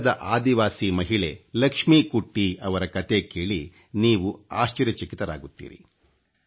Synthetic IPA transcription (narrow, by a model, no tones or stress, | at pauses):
d̪ɐʔaːd̪iʋaːsimɐɦiɭe̞lɐkʂmikuʈːiɐʋɐɾɐkɐt̪e̞keːɭi | niːʋuaːʃt͡ʃɐɾjɐt͡ʃɐkit̪ɐɾa̰ːɡut̪ːḭːɾḭ